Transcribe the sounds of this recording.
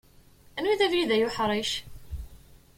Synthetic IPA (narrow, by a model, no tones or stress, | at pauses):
ænwiðævjiðæjʊħɾˤiʃ